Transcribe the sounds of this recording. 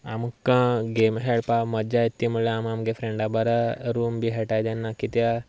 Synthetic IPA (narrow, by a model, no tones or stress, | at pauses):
amkãɡemɦeɽpaməd͡ʒajt̪ːimuɭeamamɡefɾẽɳɖabəɾaɾumbiɦɛʈajd͡ʒ̪ɛnːakit̪ja